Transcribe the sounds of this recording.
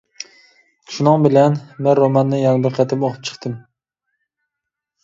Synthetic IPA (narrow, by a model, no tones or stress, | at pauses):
ʃunɨŋbɪlænmɪɾomɑnːɪjɑnbɪɾqʰæt̪ʰɪmoqʰʊ̥p̚t͡ʃʰɨ̥χt̪ʰɨm